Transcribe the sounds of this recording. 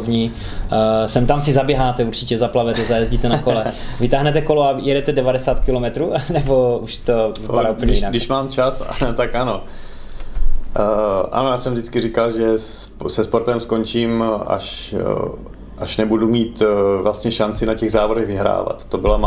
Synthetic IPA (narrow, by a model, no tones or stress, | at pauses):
vɲi | sɛmt̪amsɪzabjɛɦaːt̪ɛuɾt͡ʃɪcɛzaplavɛt̪ɛzajɛzɟiːt̪ɛnakolɛvɪt̪aːɦnɛt̪ɛkoloajɛdɛt̪ɛdɛvadɛsaːt̪kɪlomɛt̪ɾuːnɛbouʃt̪ovɪpaɾaːuːpl̩ɲɛadɪʃmaːmt͡ʃasa̰t̪akʔano | ʔa̰nojaːsɛmvdɪt͡skɪrɪkalʒɛ | sɛspoɾt̪ɛmskont͡ʃiːma̰ʃ | ʔaʃnɛbudumiːt̪vlast̪ɲɛʃant͡sɪnacɛɣzaːvodɛɣvɪɦɾa̰ːva̰t̪ːobɪlam